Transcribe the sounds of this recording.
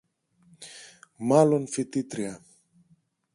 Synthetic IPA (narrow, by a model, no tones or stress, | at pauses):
malonfit̪it̪ɾia